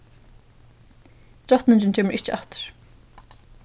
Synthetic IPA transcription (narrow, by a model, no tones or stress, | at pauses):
t̪ɾɔht̪nɪɲt͡ɕɪnt͡ɕʰɛːmɪɹʔɪht͡ʃɪaht̪ɪ̥ɹ̥